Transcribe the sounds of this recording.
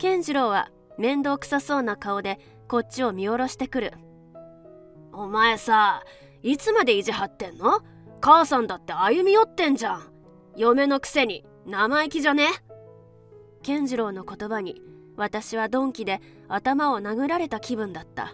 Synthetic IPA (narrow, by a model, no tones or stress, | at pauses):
kẽ̞ɲ̟d͡ʑiɾo̞ːβ̞a̰ | mẽ̞nd̪o̞ːkɯ̟̥saso̞ːnakao̞d̪e̞ | ko̞t͡ɕːɕio̞mʲio̞ɾo̞ɕi̥t̪e̞kɯ̟ɾɯ̟̰ | o̞mae̞saː | it͡sɨmad̪e̞iʑihat̪ːẽ̞nːo̞ | kasãnd̪at̪ːe̞ajɯ̟mʲijo̞t̪ːẽ̞ɲ̟d͡ʑãɴ̃ | jo̞me̞no̞kɯ̟̥se̞ɲ̟i | namaikʲiʑane̞ | kẽ̞ɲ̟d͡ʑiɾo̞ːno̞ko̞t̪o̞baɲ̟i | βat̪aɕiβad̪õ̞ŋkʲid̪e̞ | at̪amao̞naɡɯ̟ɾaɾe̞t̪akʲibɯ̟̃nd̪at̪ːa̰